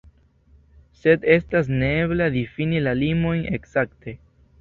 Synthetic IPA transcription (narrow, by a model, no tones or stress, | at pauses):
se̞de̞stas̬neeblad̪ifinilalimo̞jne̞̰ksakte̞